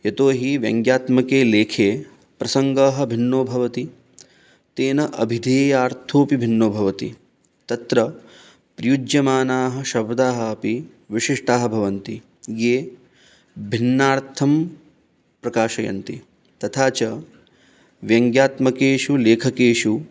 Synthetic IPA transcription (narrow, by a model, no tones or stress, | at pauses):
jɐt̪oːɦiʋjɐ̰ŋɡjaːt̪mɐkeːleːkʰeː | pɾɐsɐŋɡaːɦɐ̆bʱinːoːbʱɐʋɐt̪i | t̪eːnɐʔɐ̰bʱid̪ʱeːjaːɾt̪ʰoːpibʱinːoːbʱɐʋɐt̪ḭ | t̪ɐt̪ɾɐ | pɾijud͡ʒjɐmaːnaːɦɐ̆ʃɐbd̪aːɦɐɐpi | ʋiʂiʂʈaːɦɐ̆bʱɐʋɐnt̪i | jeː | bʱinːaːɾt̪ʰɐm | pɾɐkaːʃɐjɐ̰nt̪i | t̪ɐt̪ʰaːt͡ʃɐ | ʋjɐŋɡjaːt̪mɐkeːʃuleːkʰɐkeːʃu